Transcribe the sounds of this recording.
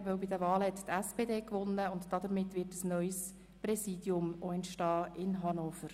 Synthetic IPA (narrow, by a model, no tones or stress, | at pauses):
ʋœwbɪdəvɑːləhɛt̪tɛspeːdeːkʋʊnːəʊntd̥ɑd̪əɾmɪtːʋɪtəsnœʏs | pɾɛsiːdjʊmoɛntʃtɑːɪnɦɑnoːfəɾ